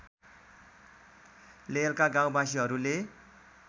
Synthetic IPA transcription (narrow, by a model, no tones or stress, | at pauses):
lelkaɡãw̃bas̬iɦʌɾule